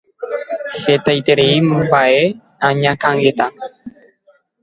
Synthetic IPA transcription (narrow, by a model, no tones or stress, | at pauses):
het̪ajt̪e̞ɾeimbae | ãɲãkãŋɡet̪a